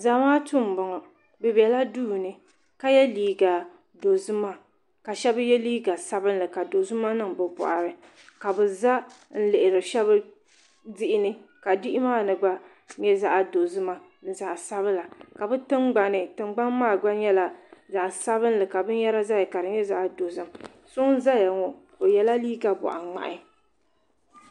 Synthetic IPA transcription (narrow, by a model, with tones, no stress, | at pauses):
za˨˦maː˦tu˦˨m˨bɔ˨ŋɔ˨ | bɛ˨bɛ˨la˦duː˦˨nɨ˨ | ka˦jɛ˦liː˦ɡa˨ | do˨zɨ˦ma˦ | ka˨ʃɛ˦bɨ˦jɛ˦liː˦ɡa˨sa˦bɨ˦n̩˦lɨ˨ka˨do˨zɨ˦ma˦nɨ˦˨ŋbɨ˨pʊ̰˨ʔa˨ɾɨ˨ | ka˨bɨ˨za˦ | n̩˦lɨ˨ʔɪ˨ɾɨ˨ʃɛ˦βɨ˦ | dɪ˦ʔɪ˦nɨ˦ka˨dɪ˦ʔɪ˦maː˦˨nɨ˨ɡ͡ba˦ | ɲɛ˦za˦ʔa˨do˨zɨ˦ma˦ | n̩˨za˨ʔsa˦βɨ˦la˨ka˨bɨ˦tɨ˦ŋɡ͡ba˨nɨ˨tɨ˨ŋ͡mɡ͡ba˦nmaː˦˨ɡ͡ba˦ɲɛ˦la˨za˨ʔsa˦bɨ˦n˦lɨ˨ka˨bɨ˦n˦jɛ˦ɾa˦za˦ja˨ka˨ɾɨ˨ɲɛ˦za˦ʔa˨do˨zɨ˦m | sʊ˦n̩˦za˦ja˨ŋɔ˨ | o˨jɛ˨la˦liː˦ɡa˨bɔ̰˨ʔa˨ŋ͡ma̰˨ʔɪ˦